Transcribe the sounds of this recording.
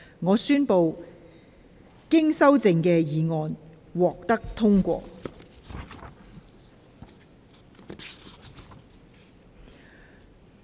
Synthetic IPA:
ŋɔː˨˧syː˥npo˨w | kɪ˥ŋsɐ˥wt͡sɪ˧ŋkɛː˧jiː˨˩ŋɔː˨˧n | wɔː˨k̚t̪ɐ˥k̚t̪ʰʊ˥ŋkʷɔ̰ː˧

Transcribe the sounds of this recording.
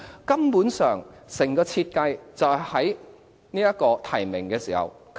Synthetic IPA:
kɐ˥mpuː˨˥nsœː˨ŋsɪ˨˩ŋkɔː˧t͡sʰiː˧t̚kɐ˧jt͡sɐ˨whɐ˨˥j | niː˥jɐ˥t̚kɔː˧t̪ʰɐ˨˩jmɪ˨˩ŋkɛː˧siː˨˩hɐ̰˨˩w | k

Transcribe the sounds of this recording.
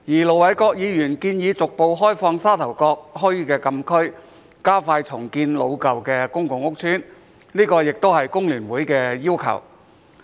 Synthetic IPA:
jiː˨˩lo˨˩wɐ˨˥jkɔː˧k̚jiː˨˧jyː˨˩nkiː˧njiː˨˧t͡sʊ˨k̚po˧wɦɔː˥jfɔː˧ŋsaː˥t̪ʰɐ˨˩wkɔː˧k̚ɦɔː˥jkɛː˧kɐ˧mkʰɵ˥ɥ | kaː˥faː˧jt͡sʰʊ˨˩ŋkiː˧nlo˨˧wkɐ˨wkɛː˧kʊ˥ŋkʊ˨˧ŋʊ˥k̚t͡sʰyː˥n | niː˥kɔː˧jɪ˨k̚t̪o˥whɐ˨jkʊ˥ŋlyː˨˩nwuː˨˥jkɛː˧jiː˥wkʰɐ̰˨˩w

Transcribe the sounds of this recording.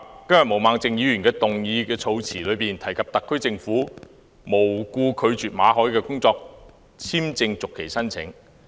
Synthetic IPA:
kɐ˥mjɐ˨˩mo˨˩wmaː˨˥ŋt͡sɪ˨˧ŋjiː˨˧ɥyː˨˩nkɛː˧t̪ʊ˨ŋjiː˧kɛː˧t͡sʰo˨˧wt͡sʰiː˨˩lɵ˨˧ɥpiː˨˩nt̪ʰɐ˨˩jkʰɐ˨p̚t̪ɐ˨kʰːɵ˥ɥt͡sɪ˧ŋfuː˨˥ | mo˨˩wkuː˧kʰɵ˨˧ɥt͡ʃyː˨t̚maː˨˧ɦɔː˨˥jkɛː˧kʊ˥ŋt͡sɔː˧k̚ | t͡sʰiː˥mt͡sɪ˧ŋt͡sʊ˨kʰːe˨˩jsɐ˥nt͡sʰɪ̰˨˥ŋ

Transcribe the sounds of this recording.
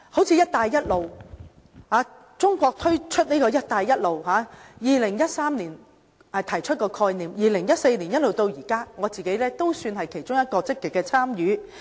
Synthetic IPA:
ho˨˥wt͡sʰiː˧jɐ˥t̚t̪aː˨˧jːɐ˥t̚lo˨w | haː˨˧ | t͡sʊ˥ŋkʷɔː˧k̚t̪ʰɵ˥ɥt͡ʃʰɵ˥t̚niː˥kɔː˧jɐ˥t̚t̪aː˨˧jːɐ˥t̚lo˨wɦaː˨˥jiː˨lɪ˨˩ŋjɐ˥t̚saː˥mniː˨˩n | ɐ˨t̪ʰɐ˨˩jt͡ʃʰɵ˥t̚kɔː˧kʰɔː˧jniː˨mjiː˨˩lɪ˨˩ŋjɐ˥t̚se˧jni˨˩njɐ˥t̚lo˨wt̪o˧wjiː˨˩kaː˥ŋɔː˨˧t͡siː˨ke˨˥jlɛː˥t̪o˥wsyː˧nɦɐ˨jkʰe˨˩jt͡ʃʊ˥ŋjɐ˥t̚kɔː˧t͡sɪ˥kːɪ˨kːɛː˧t͡sʰaː˥mjyː˨˧

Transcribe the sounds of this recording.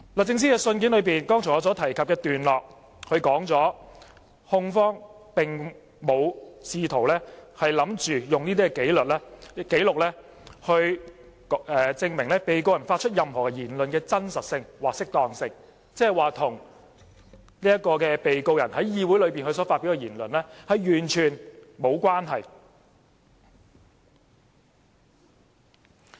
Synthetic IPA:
l̚ːt͡sɪ˧ŋs̬iː˥kɛː˧sɵ˧nk̬iː˨˥nlɵ˨˧ɥpiː˨nkɔː˥ŋt͡sʰʊ˨˩ŋɔ˨˧t͡sɔː˨˥t̪ʰɐ˨˩jkʰɐ˨p̚kɛː˧t̪yː˨nlɔː˨k̚ | hɵ˧ɥkɔː˨˥ŋt͡sɔː˨˥ | hʊ˧ŋfɔː˥ŋ | pɪ˨ŋ | mo˨˧wsiː˧t̪ʰo˨˩wlɛː˥hɐ˨jlɐ˨˥mt͡ʃyː˨jʊ˨ŋniː˥t̪̬iː˥kɛ˧ke˨˥jlɵ˨t̚lɛː˥ke˨˥jlʊ˨k̚lɛː˥ | hɵ˧ɥ | ɛː˨˩t͡sɪ˧ŋmɪ˨˩ŋlɛː˥pe˨jko˧wjɐ˨˩nfaː˧t̚t͡ʃʰɵ˥t̚jɐ˨mhɔː˨kɛ˧jiː˨˩nlɵ˨nkɛː˧t͡sɐ˥nsɐ˨t̚sɪ˧ŋwaː˨k̚sɪ˥k̚t̪ɔː˧ŋsɪ˧ŋ | t͡sɛː˥ɐ˨˩jwaː˨t̪ʰʊ˨˩ŋ | niː˥jɐ˥t̚kɔː˧kɛː˧pe˨jko˧wjɐ˨˩nhɐ˨˥jjiː˧wuː˨˥jlɵ˨˧ɥpiː˨nhɵ˧s̬ɔː˨˥faː˧t̚pi˨˥wkɛː˧jiː˨˩nlɵ˨nlɛː˥hɐ˨jjyː˨˩nt͡ʃʰyː˨˩nmo˨˧wkwaː˥nɦɐ˨˩j

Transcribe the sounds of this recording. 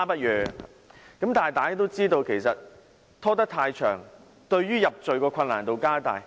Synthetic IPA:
pɐ˥t̚jœ̰ː˨˧˨ | kɐ˨˥mt̪aː˨jt̪aː˨˩ja˥t̪o˥wt͡siː˥t̪o˧wkʰe˨˩jsɐ˨t̚ | t̪ʰːɔː˥t̪ɐ˥k̚t̪ʰaː˧jt͡ʃʰœ̰ː˨˩ŋ | t̪ɵ˧ɥɥyː˥jɐ˨p̚t͡ʃɵ˨ɥkɔː˧kʷʰɐ˧nːaː˨˩nt̪o˨wkaː˥t̪a̰ː˨j

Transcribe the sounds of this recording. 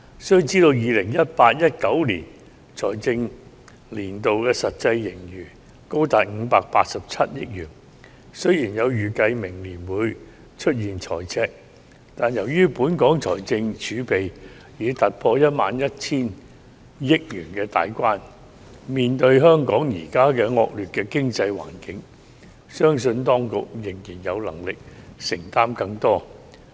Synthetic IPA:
sɵ˥ɥt͡siː˥t̪o˧wjiː˨˧lɪ˨˩ŋjɐ˥t̚paː˧t̚jɐ˥t̚kɐ˨˥wlḭː˨˩n | t͡sʰɔː˨˩jt͡sɪ˧ŋ | liː˨˩nt̪o˨wkɛː˧sɐ˨t̚t͡sɐ˧jːɪ˨˩ŋjyː˨˩ | ko˥wt̪aː˨t̚ŋ̩ː˨˧paː˧k̚paː˧t̚sɐ˨p̚t͡sʰɐ˥t̚jɪ̰˥k̚jyː˨˩n | sɵ˥ɥjiː˨˩njɐ˨˧wjyː˨˩kɐ˧jmɪ˨˩ŋliː˨˩nwuː˨˧j | t͡ʃʰɵ˥t̚jiː˨˩nt͡ʃʰɔ̰ː˨˩jt͡sʰɛː˧k̚ | t̪aː˨˩njɐ˨˩wjyː˥puː˨˥nkɔː˨˥ŋt͡sʰɔː˨˩jt͡sɪ˧ŋt͡ʃʰyː˨˧˥pe˨j | jiː˨˧t̪ɐ˨t̚pʰɔː˧jɐ˥t̚maː˨˧njɐ˥t̚t͡sʰiː˥n | jɪ˥k̚jyː˨˩nkɛː˧t̪a̰ː˨jkʷwaː˥n | miː˨nt̪ɵ˧ɥɦœː˥ŋkɔː˨˥ŋjiː˨˩kaː˥kɛː˧ŋɔː˧k̚lyː˨˩t̚kɛː˧kɪ˥ŋt͡sɐ˧jwa̰ː˨˩nkɪ˨˥ŋ | sœː˥ŋs̬ɵ˧nt̪ɔː˥ŋkʊ̰˨k̚jɪ˨˩ŋjiː˨˩njɐ˨˧wlɐ̰˨˩ŋlɪ˨k̚sɪ˨˩ŋt̪aː˥mkɐ˧ŋt̪ɔː˥

